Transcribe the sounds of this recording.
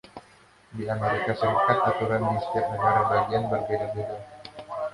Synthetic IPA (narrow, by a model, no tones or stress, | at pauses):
diameɾikasəɾikat̪̚at̪uɾanmnist̪ɪrnəɡaɾabaɡianbərbedadeda